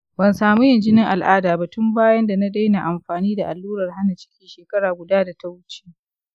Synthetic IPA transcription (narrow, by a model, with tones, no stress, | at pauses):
bɐ˨nsaː˨mu˦jɐ˨nd͡ʒɪ˦nɪ˦ŋʔa˨lʔaː˦daː˨bɐ˨tʊ˦mbaː˦jɐ˦nda˨na˦da˦jna˨ʔa˨mɸaː˨niː˦da˨ʔa˨lːuː˦ɾɐ˨rɦa˦na˨t͡ʃɪ̥˦kʲiː˨ʃeː˨kɐ˦ɽaː˨ɡʷʊ˨daː˦da˨ta˦wʊ˦t͡ʃe̥ː˦